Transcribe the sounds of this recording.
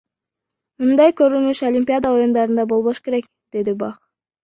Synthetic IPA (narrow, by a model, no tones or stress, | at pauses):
mund̪ɑjkøɾynyʃolʲimʲpʲiad̪ɑo̞jund̪ɑɾɯnd̪ɑbo̞lˠβo̞ʃke̞ɾe̞k | d̪̥e̞d̪ibɑχ